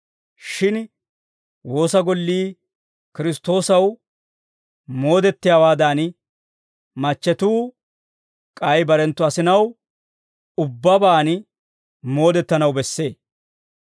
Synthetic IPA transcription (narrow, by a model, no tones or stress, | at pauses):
ʃɪn | wo̞ːsɐɡɔlːiː | kɪɾɪst̪o̞ːsɐw | mo̞ːd̪ɛt̪ːɪjaːwaːd̪aːn | mɐt͡ʃːɛt̪uː | kʼɐjbɐɾɛnt̪ːɔɐsɪnɐw | ʊbːɐbaːn | mo̞ːd̪ɛt̪ːɐnɐwbɛsːe̞ː